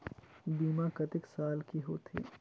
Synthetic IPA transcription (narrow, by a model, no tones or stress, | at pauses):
biːmãkɐt̪ɪksaːlkiɦoːt̪ʰḛː